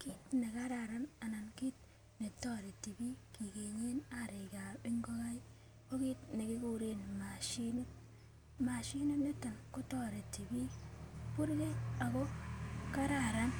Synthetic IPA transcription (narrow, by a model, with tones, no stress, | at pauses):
ki˦tne˨ka˦ɾa˨ɾa˦na˨na˨nki˦t̚ | ne˨tɔ˦ɾe˨ti˨bi˦ki˨ke˨ɲe˦na˦ɾe˨ka˨bɪ˦ŋɡo˦ka˦j | ko˦ki˦tne˨kɪ˦ku˦ɾe˦n˨ma˨ʃi˦no˦ | ma˨ʃi˦no˦ne˦ta˨nkʊ˦tɔ˦ɾe˨ti˨bi˦pu˦ɾke˦a˨ko˦ka˦ɾa˦˨ɾa˦n